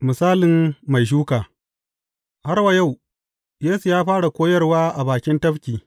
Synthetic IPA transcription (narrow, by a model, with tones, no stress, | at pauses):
mɪ˨saː˦lɪ˨mːa˨jʃ̬uː˦kaː˨ | ha˦rwa˨ja˦˨w | jeː˦su˨jaː˦ɸaː˦ɽa˨kʷoː˦jɐ˦rwaː˦ʔa˨baː˨kʲɪ˦ntɐ˦ɸkʲiː˨